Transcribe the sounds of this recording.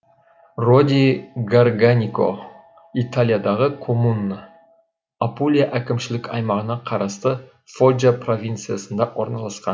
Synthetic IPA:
ro̞d̪ʲiɡarɡanʲiko̰ | it̪alʲˠijad̪ɑʁəkʰo̞munːə | apulʲijaʔækʲɪmʃɪlɪkʲɑjmɑʁənɑqʰɑɾɑst̪ə | fod͡ʒapro̞vʲijnt̪sɨjasənd̪ɑwo̞ɾnɑlˠɑsqɑ̰n

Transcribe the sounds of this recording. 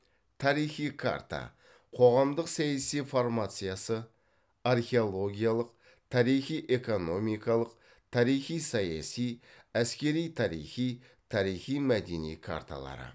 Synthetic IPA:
t̪ʰɑɾijχijkʰa̰rt̪a̰ | qʰo̞ʁɑmd̪əqsæjasijformat̪sɨjasə | arχʲe̞olˠo̞ɡʲijalˠəq | t̪ʰɑɾijχijʔe̞ko̞no̞mijkɑlˠəq | t̪ʰɑɾijχijsɑjɑ̰sij | æskʲe̞ɾijt̪ʰɑɾḭjχij | t̪ʰɑɾijχijmæd̪e̞nḭjkʰa̰rt̪a̰lˠɑ̰ɾə̰

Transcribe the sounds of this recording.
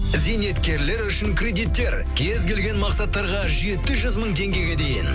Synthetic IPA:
zejne̞t̪kʲe̞ɾle̞ɾʏʃɪŋkʰrʲe̞d̪ijt̪ːe̞ɾ | kʲʰe̞zɡʲe̞lɡʲe̞nmɑqsɑt̪ːɑɾʁɑʒe̞t̪ɪʒʏzməɴt̪ʰe̞ŋɡʲe̞ɡʲe̞d̪e̞jɪ̰n

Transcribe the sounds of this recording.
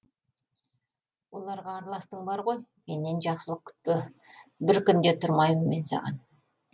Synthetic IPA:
wo̞lˠɑɾʁɑːɾlˠɑst̪əɴbɑɾʁo̞jmenːenʒɑχsəlˠəq̚kʲʰʏ̥t̪̚pɪ | bɪɾkʲʏnd̪e̞t̪ʰʊɾmɑjmənme̞nsɑ̰ʁɑ̰n

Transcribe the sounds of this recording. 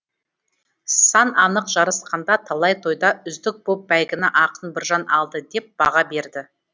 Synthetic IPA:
sɑnɑnəqʒ̥ɑɾəsqɑnd̪ɑt̪ʰɑlˠɑjt̪ʰo̞jd̪ɑʏzd̪ɪk̚b̥op̚bæjɡʲɪnɪʔɑqənbɪɾʒɑnɑ̰lˠd̪əd̪e̞p̚b̥ɑʁɑbe̞ɾd̪ɪ

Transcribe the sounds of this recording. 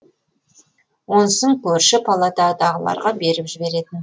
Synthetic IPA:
wo̞nsəɴkʲʰɵɾʃɪpʰalˠat̪ɑd̪ɑʁəlˠɑ̰ɾʁɑbe̞ɾɪpʒɪbe̞ɾe̞t̪ɪn

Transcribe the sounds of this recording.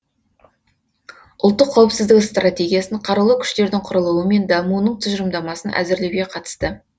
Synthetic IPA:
ʊlˠt̪ːəqʰːɑwəpsɪzd̪ɪkst̪ratʲe̞ɡʲijasəɴqʰɑɾɑlˠəkʲʰʏ̥ʃt̪e̞ɾd̪ɪŋqʰʊɾəlˠuəme̞nd̪ɑmuənəɴt̪ʰʏʒʏɾəmd̪ɑmɑsənʔæ̰zɪɾle̞wɡʲe̞qʰɑt̪ə̥st̪ə

